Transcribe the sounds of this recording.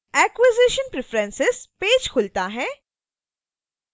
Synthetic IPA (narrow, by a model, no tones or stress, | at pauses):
ɛːkwɪzɪʃənpɾɪfɾɛ̃nsɪspeːd͡ʒkʰʊlt̪aɦɛ̃ː